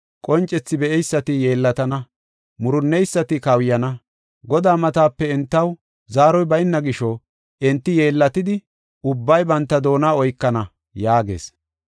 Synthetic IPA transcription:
kʼɔnt͡ʃʼːɛt͡sːɪbɛʔɛjsːɐt̪ɪje̞ːlːɐt̪ɐnɐ | mʊɾʊnːɛjsːɐt̪ɪkɐwjɐnɐ | ɡɔd̪aːmɐt̪aːpːɛɪnt̪ːɐw | zaːɾɔjbɐjɪnːɐɡɪʃɔ | ʔɪnt̪ːɪjeːlːɐt̪ɪd̪ɪ | ʊbːɐjbɐnt̪ːɐd̪o̞ːnaːɔjkːɐnɐ | jaːɡe̞̰ːs

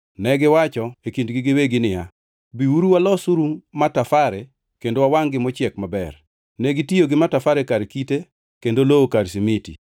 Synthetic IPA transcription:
nɛɡɪwat͡ʃɔekindɡɪɡɪweɡɪnɪja | biuɾuwalɔsuɾumatafaɾe | kendowawaŋɡɪmɔt͡ʃɛkmabɛr | nɛɡɪtioɡɪmatafaɾekaɾkite | kendolookaɾsimitḭ

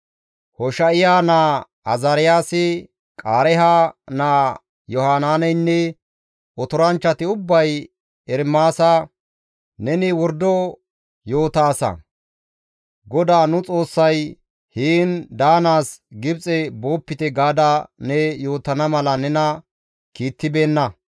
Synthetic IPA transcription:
hɔʃɐʔɪjaːnaː | ɐzɐɾɪjaːsɪ | kʼaːɾɛɦaːnaː | jɔhaːnaːnɛjnːɛ | ɔt̪ɔɾɐnt͡ʃːɐt̪ɪʊbːɐj | ɛɾmaːsɐ | nɛnɪwɔɾd̪ɔ | jo̞ːt̪aːsɐ̰ | ɡɔd̪aːnʊt͡sʼo̞ːsːɐj | hiːnd̪aːnaːsɡɪbt͡sʼɛbo̞ːpːɪt̪ɛɡaːd̪ɐnɛjo̞ːt̪ɐnɐmɐlɐnɛnɐ | kiːt̪ːɪbe̞ːnːɐ

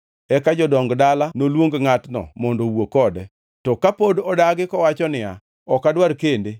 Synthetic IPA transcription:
ɛkad͡ʒɔdɔŋɡdalanolwoŋɡŋatnɔ̰mɔndowokɔdɛ | tɔkapodɔdaɡɪkɔwat͡ʃɔnɪa̰ | ɔkadwaɾkende

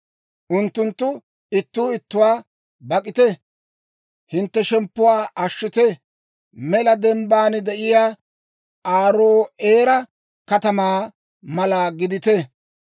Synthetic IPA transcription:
ʔʊnt̪ːʊnt̪ːʊ | ɪt̪ːuːɪt̪ːʊwaː | bɐkʼɪt̪ɛ | hɪnt̪ːɛʃɛmpːʊwaːʔɐʃːɪt̪ɛ | mɛlɐd̪ɛmbaːnɪd̪ɛʔɪjaː | aːɾoːeːɾɐ | kɐt̪ɐmaː | mɐlaːɡɪd̪ɪt̪ɛ

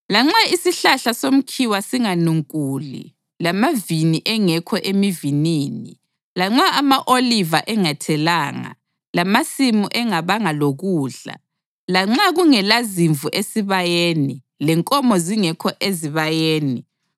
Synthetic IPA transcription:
laŋ͡ǁaisiɬaɬasom̩kʰiwasiŋanuŋkʼuːlḭ | lamaviniʔɛŋɛkʰɔʔemiviniːni | laŋ͡ǁaamaʔolivaʔɛŋatʰɛlaːŋa̰ | lamasimuʔɛŋaβaŋaloɣuːɮa̰ | laŋ͡ǁaɣuŋɛlaziɱvuʔesiβajeːni | lɛŋkʼɔmɔziŋɛkʰɔʔeziβajeːni

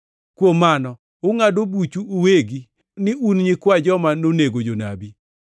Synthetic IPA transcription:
kwomːanɔ | ʊŋadobut͡ʃuːweɡi | nɪunɲɪkwad͡ʒɔmanoneɡod͡ʒona̰bi

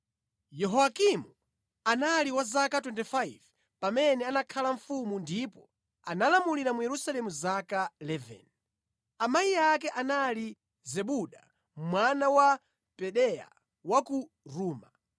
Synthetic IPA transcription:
jɛɦɔakimu | analiwazakatwɛntifajv | pamɛnɛanakʰalaɱfumundipɔ | analamuliɾamujɛɾusalɛmuzakalɛvɛ̰n | amajiakɛʔanali | zɛɓuɗa | mmwanawa | pɛɗɛja̰ | waku | ɾuːma

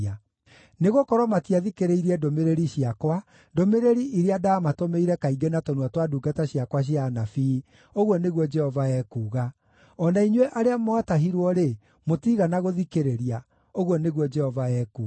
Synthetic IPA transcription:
a | neɣokɔɾwɔmatiaðikeɾeiɾiɛdomeɾeɾiɕiakwa | domeɾeɾiʔiɾeadaːmatomeiɾɛkaiɡenatɔnwatwaduɡataɕjakwaɕ̬ianafi | oɣwɔneɣwɔd͡ʒɛhɔvaɛːkuːɣa | ɔnaiɲwɛʔaɾeamɔataɦiɾwɔɾe | motiɣanaɣoðikeɾeɾia | oɣwɔneɣwɔd͡ʒɛhɔvaɛːku

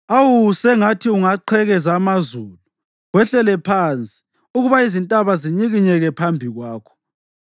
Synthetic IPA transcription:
awusɛŋatʰiuŋaǃʰɛɣɛzaːmazulu | ɣwɛɬɛlɛpʰant͡sʼi̥ | uɣuβaizintʼaβaziɲiɣiɲɛɣɛpʰambʱiɣwaːkʰɔ̥

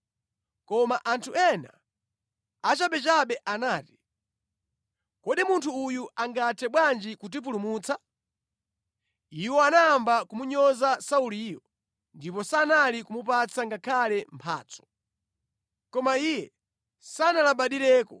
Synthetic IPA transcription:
kɔmaʔantʰuɛna̰ | at͡ʃaɓɛt͡ʃaɓɛʔanaːti̥ | kɔɗimuntʰuːjuaŋɡatʰɛɓwand͡ʒikut̬ip̬ulumuːt͡sʰa | iwɔanaːmbakumuɲɔzasauliːjɔ | ndip̬ɔsanalikumupat͡sʰaŋɡakʰalɛmpʰa̰ːt͡sʰɔ̥ | kɔmaijɛ | sanalaɓaɗiɾɛːkɔ

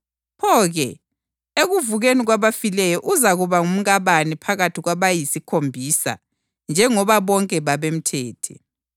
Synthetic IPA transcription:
pʰɔːɣɛ | eɣuvuɣeniɣwaβafilɛjɔʔuzaɣuβaŋum̩ɣaβanipʰaɣatʰiɣwaβajisikʰombʱiːsa̰ | nd͡ʒʱɛŋɔβaβɔŋkʼɛβaβem̩tʰɛːtʰɛ̰

